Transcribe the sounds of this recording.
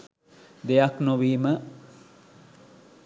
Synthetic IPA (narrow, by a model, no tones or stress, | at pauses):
d̪ejaknoʋiːmə